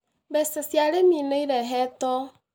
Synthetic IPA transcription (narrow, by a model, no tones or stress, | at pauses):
βɛsɛsjaɾemineiɾɛɦɛtɔ